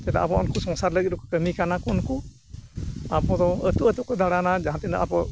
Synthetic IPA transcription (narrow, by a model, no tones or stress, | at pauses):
t̪ɛd̪a̰ʔa̰bɔɔnkusɔŋsaɾləɡit̪̚ɾɔkɔ̥kəmikanakuɔnku | apɔd̪ɔət̪uʔət̪uʔkɔd̪aɽanad͡ʒaɦãt̪ɛna̰ʔapɔ